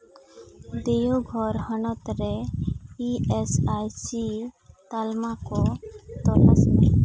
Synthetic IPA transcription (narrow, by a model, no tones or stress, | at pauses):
d̪ejoɡʱɔɾhənɔt̪ɾɛiesajsit̪almakɔt̪ɔla̰sd̪i